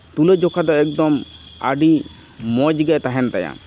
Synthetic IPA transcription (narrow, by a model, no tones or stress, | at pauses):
t̪uled͡ʒɔkʰad̪ɔɛk̚d̪ɔma̰ɖi | mɔd͡ʒɡɛt̪aɦɛnt̪aja̰